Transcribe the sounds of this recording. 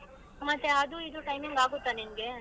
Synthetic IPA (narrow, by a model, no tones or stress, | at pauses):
mɐt̪ːeɐd̪uid̪uʈɐjmiŋɡaːɡut̪ːanimɡe̞